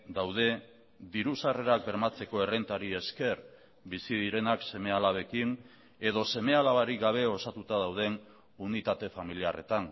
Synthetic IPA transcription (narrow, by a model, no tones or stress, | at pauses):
d̪awðe̞ | ðiɾusare̞ɾak̚be̞ɾmat͡se̞ko̞e̞re̞nt̪aɾie̞ske̞ɾ | bisiðiɾe̞nakse̞me̞alaβ̞e̞kin | e̞ð̞o̞se̞me̞alaβaɾiɡaβ̞e̞o̞sat̪ut̪aðawð̞e̞n | unit̪at̪e̞familiare̞t̪an